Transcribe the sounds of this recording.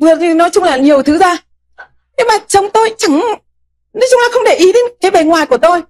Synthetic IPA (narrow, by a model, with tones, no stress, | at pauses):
vɨ˨˩ət̚ɲɨ˧˩nɔ˨˦jt͡ɕʊ˧ŋ͡mlaː˨˩ɲi˨˩əwt̪ʰɨ˨˦zaː˧˩ | ɲɨ˧maː˨˩t͡ɕə˨˧˩wŋ͡mt̪o˧jt͡ɕa˧˩ŋ | nɔ˨˦t͡ɕʊ˧ŋ͡mlaː˨˩xə˧wŋ͡mɗe˧˩ʔi˨˦ɗe˨˦nkaː˨˦jve˨˩ŋwaː˨˩jku˧˩ət̪o˧j